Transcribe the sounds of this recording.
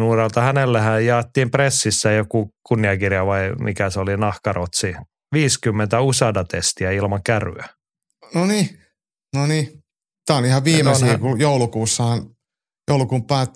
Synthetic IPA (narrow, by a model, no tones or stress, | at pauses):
nuːrelt̪ɑhænelːæhæjjɑːt̪ːiːmpresːisːæjokukunːiɑkirjɑʋɑimikæsolinɑhkɑrot̪si | ʋiːskymːent̪æusɑdɑt̪est̪iæilmɑŋkæry̰æ | noni | noniː | t̪æːonihɑʋʋiːmesniːkujoulukuːsːɑhɑn | joulukuːmpæːt̪ː